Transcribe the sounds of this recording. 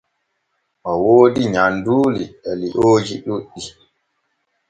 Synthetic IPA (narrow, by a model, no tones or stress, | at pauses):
mɔwoːdiɲanduːliɛliʔoːd͡ʒiɗuɗːi